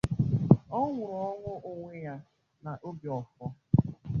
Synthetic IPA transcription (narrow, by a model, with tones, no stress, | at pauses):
ɔ˦ŋʷʊ˨ɾɔ˨˦ɔ˦ŋʷʊ˦ʔʊ˨ŋʷe˦ja˦ | na˨ʔo˦bjɔ˨fɔ˦